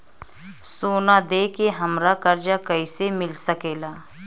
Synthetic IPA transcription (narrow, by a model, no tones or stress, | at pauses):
soːnad̪eːkeɦɐmɾakɐɾd͡ʒakɐisemɪlsɐkeːlaː